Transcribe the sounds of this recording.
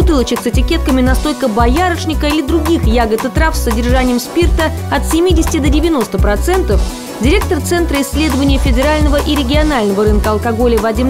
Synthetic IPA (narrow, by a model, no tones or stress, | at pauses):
bʊt̪ɨlˠət͡ɕɪksɪtʲɪkʲe̞t̪̚kəmʲɪnɐst̪o̞lʲkəbɐjaɾəʂnʲɪkəilʲɪd̪ɾʊɡʲixjaɡət̪ɨt̪ɾafsːədʲɪrʐanʲɪjəmspʲirt̪əɐt̪sʲɪmʲidʲɪsʲɪ̥tʲɪd̪ədʲɪvʲɪno̞st̪əpɾɐt̪sɛnt̪əf | dʲɪɾʲe̞k̚t̪ərt̪sɛnt̪ɾəɪsʲːlʲe̞d̪əvənʲɪjəfʲɪdʲɪɾalʲnəvəʔiɾʲɪɡʲɪɐnalʲnəvəɾɨnkəɐlˠkɐɡo̞lʲɪvɐdʲim